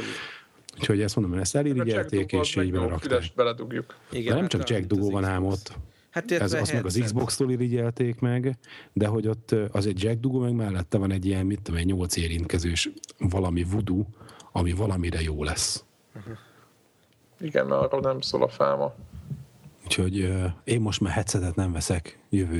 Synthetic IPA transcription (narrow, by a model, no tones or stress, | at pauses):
ucho̞ɟɛst̪moomnɛst̪ɛliɾiɟɛlt̪eːkeːʃiːɟbɛlɛɾɒkt̪ɛbɛlɛd̪uɡjukd̪ɛnɛmt͡ʃɒɡd͡ʒɛɡd̪uɡoːbɒnaːmo̞t̪ː | hatɛzɒsmɛɡɒziɡzbo̞kst̪oːliɾiɟɛlt̪eːkmɛɡd̪ɛɦo̞ɟo̞t̪ːɒzɛɟ̚d͡ʒɛɡ̚d̪uɡoːmɛɡmɛlːɛt̪ːɛvɒnɛɟːijɛmmit̪ːomɛɲo̞lt̪seːɾint̪kɛzøːʃvɒlɒmivud̪uɒmivɒlɒmiɾɛjoːlɛsː | iɡɛ̰ndɛ̰ɒ̰rolnɛmso̰ːlʔɒ̰fa̰ːmɒ | ucho̞ɟøeːmːo̞ʃt̪maːhɛt̪sɛt̪ɛt̪nɛɱvɛsɛkjøvøː